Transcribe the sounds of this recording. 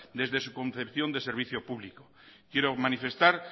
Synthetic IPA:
d̪e̞zðe̞sukõ̞nθe̞pθjo̞nd̪e̞se̞ɾβ̞iθjo̞puβliko | kjeɾomanife̞st̪aɾ

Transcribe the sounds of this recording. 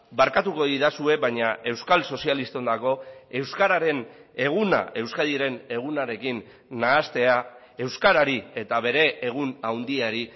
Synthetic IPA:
baɾkat̪uko̞ðiðasue̞βajɲae̞wskalso̞sialist̪o̞nd̪ako̞e̞wskaɾaɾe̞ne̞ɣ̞una̰e̞wskaðiɾe̞ne̞ɣ̞unaɾe̞kinː | aːst̪e̞a | e̞wskaɾaɾie̞t̪aβe̞ɾe̞eɣ̞unawnd̪iaɾi

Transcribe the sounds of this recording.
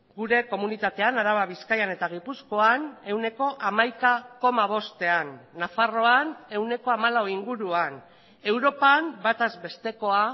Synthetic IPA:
ɡuɾe̞ko̞munit̪at̪e̞anaɾaβaβiskajane̞t̪aɣ̞ipusko̞ane̞wne̞ko̞ʔamajkako̞maβ̞o̞st̪e̞anːafaro̞ane̞wne̞ko̞amalawiŋɡuɾuan | e̞wɾo̞pambat̪azbe̞st̪e̞ko̞a

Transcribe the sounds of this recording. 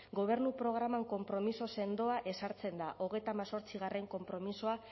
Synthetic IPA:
ɡo̞β̞e̞ɾnupɾo̞ɣ̞ɾamaŋko̞mpɾo̞miso̞se̞nd̪o̞aʔe̞saɾt͡se̞nd̪aʔo̞ɣe̞jt̪aːmaso̞ɾt͡siɣ̞are̞ŋko̞mpɾo̞miso̞a

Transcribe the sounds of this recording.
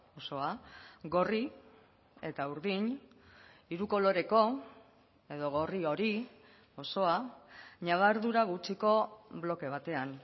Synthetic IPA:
o̞so̞aɡo̞ri | e̞t̪auɾðiɲ | iɾuko̞lo̞ɾe̞ko̞ | e̞ðo̞ɣo̞rio̞ɾi | o̞so̞aɲaβ̞aɾðuɾaɣ̞ut͡ʃiko̞blo̞ke̞β̞at̪e̞an

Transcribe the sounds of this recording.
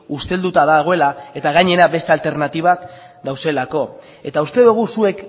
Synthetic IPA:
ust̪e̞ld̪ut̪aðaɣ̞o̞e̞lae̞t̪aɣ̞ajɲe̞ɾabe̞st̪ealt̪e̞ɾnat̪iβ̞ak | d̪awse̞lako̞ | e̞t̪aust̪e̞ðuɣ̞usue̞k

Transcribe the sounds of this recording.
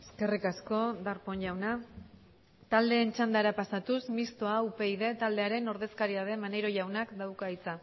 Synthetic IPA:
e̞ske̞rikasko̞d̪aɾpo̞ɲʎawna | t̪ald̪e̞ːnt͡ʃand̪aɾapasat̪usmist̪oaupe̞iðe̞t̪ald̪e̞aɾe̞no̞ɾð̞e̞skaɾiað̞e̞maneɾo̞ʝawnakd̪awkait͡sa

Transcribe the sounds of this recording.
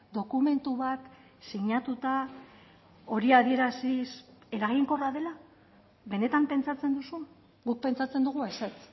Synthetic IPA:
d̪o̞kume̞nt̪uβat̪ | siɲat̪ut̪a | o̞ɾiaðie̞ɾasise̞ɾaɣ̞iŋko̞raðe̞la | βe̞ne̞t̪ampe̞nt͡sat͡se̞nd̪usun | ɡuk̚pe̞nt͡sat͡send̪uɣ̞ueset͡s

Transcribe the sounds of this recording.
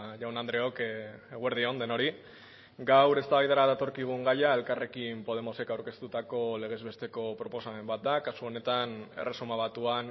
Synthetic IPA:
ʝawnand̪ɾe̞okeɣweɾð̞io̞nd̪e̞no̞ɾi | ɡawɾe̞st̪aβjt̪aɾaðat̪o̞ɾkiɣ̞uŋɡajae̞lkare̞kimpo̞ð̞e̞mo̞se̞kawɾke̞st̪ut̪ako̞le̞ɣ̞e̞zβe̞st̪e̞ko̞pɾo̞po̞same̞mbat̪̚d̪akasuo̞ne̞t̪ane̞̰re̞sumaβ̞at̪uan

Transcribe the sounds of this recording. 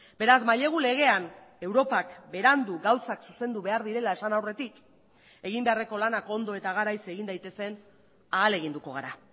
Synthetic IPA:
be̞ɾazmaʎe̞ɣ̞ule̞ɣ̞e̞an | e̞wɾo̞pakbe̞ɾand̪uɡawsaksuse̞nd̪uβe̞aɾðiɾe̞lae̞sanawre̞t̪ik | e̞ɣimbe̞are̞ko̞lanako̞nd̪o̞e̞t̪aɣaɾajse̞ɣind̪ajt̪e̞se̞n | aːle̞ɣind̪uko̞ɣ̞aɾa

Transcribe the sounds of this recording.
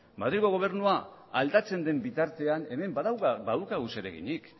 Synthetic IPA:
maðɾiɣo̞ɣ̞o̞β̞e̞rnuaald̪at͡se̞nd̪e̞mbit̪aɾt̪e̞ane̞me̞mbaðawkabaðwkaɣuse̞ɾe̞̰ɣḭɲik

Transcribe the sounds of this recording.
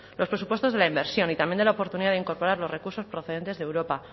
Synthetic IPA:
lo̞spɾe̞supwe̞st̪ozðelaimbe̞ɾsjo̞nit̪amjendelaopo̞ɾt̪uniðaðeiŋko̞ɾpo̞ɾaɾlorekuɾso̞spɾoθee̞nt̪e̞zðewɾo̞pa

